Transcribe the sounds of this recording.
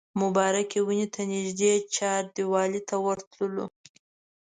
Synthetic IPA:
mʊbɑɾakʲewinit̪ʰanɪʒd̪et͡ʃɑɾd̪iwɑlit̪awaɾt̪ləlo̰

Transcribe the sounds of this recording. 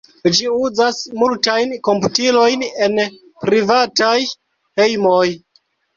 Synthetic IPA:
d͡ʒiuzasmultajnko̞mputilo̞jne̞n | pɾivataj | he̞jmoj

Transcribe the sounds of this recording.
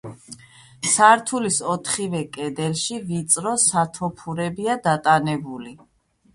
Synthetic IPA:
saɾt̪ʰulisɔt̪ʰχivɛkʼɛd̪ɛlʃivit̪sʼɾɔsat̪ʰɔpʰuɾɛbiad̪at̪ʼanɛbuli

